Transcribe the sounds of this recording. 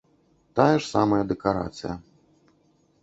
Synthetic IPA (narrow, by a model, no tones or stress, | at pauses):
t̪ajɛʂsamɐjɐd̪ɛkaɾa̰t̪sɨ̰jɐ